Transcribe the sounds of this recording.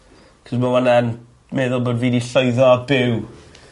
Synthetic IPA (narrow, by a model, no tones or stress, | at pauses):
kʰɔzmawanan | meðʊlˠbɔdviːdiɬɔɨðɔbɪw